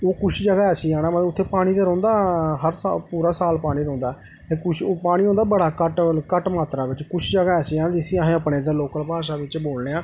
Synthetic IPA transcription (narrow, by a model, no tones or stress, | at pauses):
oːkʊʃʰd͡ʒəɡaːɛːsiːaːnaːmət̪lʊt̪ʰːeːpaːɽ̃iːd̪eːɾɔ̃ːnd̪aːɦəɾsapuːɾaːsaːlpaːɽ̃iːɾɔ̃ːnd̪aː | eːkʊʃoːpaːɽ̃iːõːnd̪aːbəɽaːkəʈkəʈmaːt̪ɾaːʋɪt͡ʃkʊt͡ʃʰd͡ʒəɡaːɛːsiːaːnãːd͡ʒɪsĩːəɦẽːəpɽeːd̪aːloːkəlpaːʃ̬aːʋɪt͡ʃboːlneːaː